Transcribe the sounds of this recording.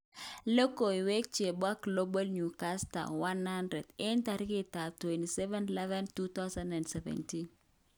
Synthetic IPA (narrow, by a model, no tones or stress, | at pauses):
lokoiwɛk̚t͡ʃebwaklobalnukasta̰wanhandɾɛdɪntaɾkɪtatwɛntisɛvɛnilɛvɛntut̪awsãndɛndsɛvɛ̰ntin